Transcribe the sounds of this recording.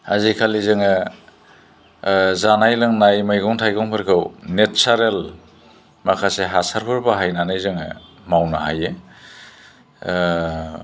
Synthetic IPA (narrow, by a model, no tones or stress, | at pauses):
hazikʰalizɯŋɯ | zanajlɯŋnajmajɡɔŋtʰajɡɔŋpʰɯɾkʰɯwnet͡ʃaɾel | makʰaseɦasaɾpʰɯɾbaɦajnanajzɯŋɯ | mawnaɦa̰je